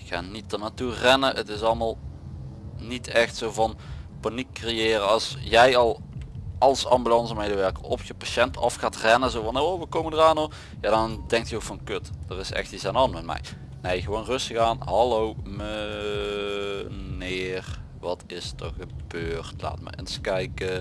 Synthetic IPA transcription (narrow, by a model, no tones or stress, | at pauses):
ɪkxa̰ːnitənaturɛnəʔətɪs̬ɑlˠmaːlˠ | nitʰɛxtsowvɑnpanikːrejɪːrəɑlˠsjɛjɑlˠɑlˠsɑmbylɑnsəmejdəʋɛɹkəɔfjəpaʃɛntɑfxaːtrɛnəzowvɑnowʋəkoməndəraːnɔ | jaːdɑndɛŋk̚tjəowkfɑnkøtd̥ərɪsɛ̰xtisanɑnmɛt̚mɛ̰j | nejɣəʋownrɵstəɣaːnɦɑlowmə | neːr | ʋɑtɪstəɣəb̥øːrtla̰ːtmə̰ə̰nskɛjkə